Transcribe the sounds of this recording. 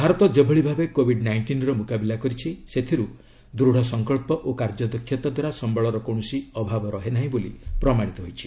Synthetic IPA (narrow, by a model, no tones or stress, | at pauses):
bʱaɾɔt̪ɔd͡ʒebʱeɭibʱabekobʱiɖnajɳʈinɾɔmukabilakɔɾit͡ʃʰiset̪ʰiɾu | d̪ɾuɽ̤ɔsɔŋkɔɭpɔʔokaɾd͡ʒɔd̪ɔkʰːjɔt̪ɔd̪waɾasɔmbɔɭɔɾɔkõɔsiɔbʱabɔɾɔɦenaɦĩbolipɾɔmaɽ̃it̪ɔɦojt͡ʃʰi̥